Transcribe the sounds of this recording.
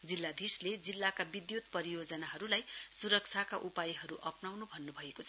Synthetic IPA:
d͡zilːad̪isled͡zilːakabid̪jut̪̚pʌɾijod͡zʌnaɦʌɾulajsuɾʌk̚t͡sʰakaʔupajiɦʌɾuʔʌpnawnubʱʌnːubʱʌekot͡sʰʌ

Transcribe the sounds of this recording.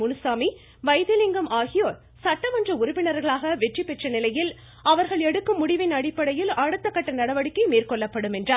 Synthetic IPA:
ʊnɯsaːmi | ʋɐɪðɪlɪŋɡɐmʔaːɣɪjoːɾ | sɐʈːɐʋɐndrɐʊɾʊpːɪnɐɾɣɐɭaːɣɐʋɛʈripːɛʈrɐnɪlɐjɪl | ɐʋɐɾɣɐɭɛɽɯkːɯmːʊɽɪʋɪnɐɽɪpːɐɽɐjɪlɐɽɯt̪ːɐkːɐʈːɐnɐɽɐʋɐɽɪkːɐɪmiːrkɔɭːɐpːɐɽɯmɛndraː

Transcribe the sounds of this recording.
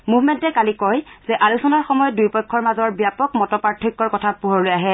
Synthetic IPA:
mubmɛntɛkalikɔjz̥ɛʔalusɔnaɹxɔmɔjɔdujpɔjkʰːɔɹmazɔɹbjapɔkmɔtɔpaɹtʰːikːɔɹkɔtʰapuɦɔɹlojaɦɛ

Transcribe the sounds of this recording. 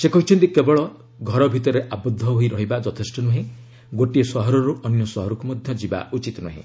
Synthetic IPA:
sekɔɦit͡ʃʰɔnt̪ikebɔɭɔ | ɡʱɔɾɔbʱit̪ɔɾeʔabɔd̪ʱːɔɦojɾɔɦibad͡ʒɔt̪ʰesʈɔnuɦĩ | ɡoʈiesɔɦɔɾɔɾuʔɔnjɔsɔɦɔɾɔkumɔd̪ʱjɔd͡ʒiba̰ut͡ʃit̪ɔnuɦḭ̃

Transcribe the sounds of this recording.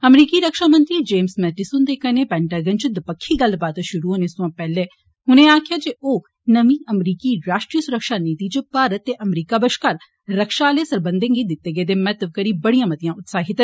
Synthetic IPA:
əmɾiːkiːɾəkʃaːmənt̪ɾiːd͡ʒeːmsmɛːʈɪsuːnd̪eːkəneːpɛ̃ːɳʈaːɡənt͡ʃd̪əpəkʰːiːɡəlbaːt̪ʃʊɾuːɦoːneːsʊ̃ãːpɛːleː | ɦʊnẽːaːkʰɪjaːd͡ʒeʔoː | nəʋĩːʔəmɾiːkiːɾaːʃʈɾijəsʊɾəkʃaːniːt̪iːt͡ʃpaːɾət̪ːeːʔəmɾiːkaːbəʃkaːl | ɾəkʃaːleːsəɾbənd̪ẽːŋɡiːd̪ɪt̪ːeːɡeːd̪eːmɛt̪əʋ̚kəɾiːbəɽijãːmət̪ɪjãːʊt̪saːɦɪt̪

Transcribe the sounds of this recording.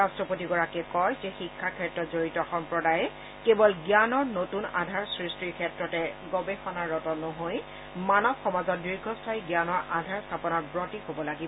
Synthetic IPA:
astɹɔpotiɡɔɹakɛkɔjzɛxikʰːakʰɛtɹɔtzoɹitɔxɔmpɹɔdajɛ | kebɔlɡjanɔɹnotuna̰dʱaɹsɹistiɹkʰɛtɹɔtɛɡɔbɛxɔnaɹːɔtɔnɔɦoj | manɔbxɔmazɔt̚dɹiɹɡʱɔstʰaiɡjanɔɹʔadʱaɹstʰapɔnɔtbɹɔtixobɔlaɡibɔ

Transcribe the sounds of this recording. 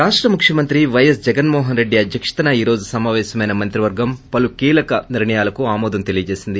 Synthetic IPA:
ɾaːʂʈɾɐmukʂjɐmɐnt̪ɾiʋɐjɐs̬d͡ʒɛɡɐnmɔːɦɐnɾe̞ɖːiɐd̪ʱjɐkʂɐ̥t̪ɐnɐiːɾo̞ːd͡ʒusɐmaːʋɛːsɐmɐjnɐmɐnt̪ɾiʋɐɾɡɐmpɐlukiːlɐkɐniɾɳɐjaːlɐkuaːmɔːd̪ɐmt̪e̞lijɐt͡ʃe̞ːsind̪i

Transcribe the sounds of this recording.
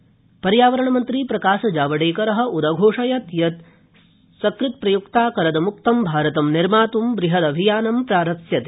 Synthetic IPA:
pɐɾjaːʋɐɾɐɳɐmɐnt̪ɾiːpɾɐkaːʃɐd͡ʒaːʋɐɽeːkɐɾɐɦɐ̆ʔud̪ɐɡʱoːʂɐjɐt̪jɐt̪ | sɐkɾɪt̪̚pɾɐjukt̪aːkɐɾɐd̪ɐmuk̚t̪ɐmbʱaːɾɐt̪ɐmniɾmaːt̪umbɾiɦɐd̪ɐbʱijaːnɐmpɾaːɾɐsjɐt̪e

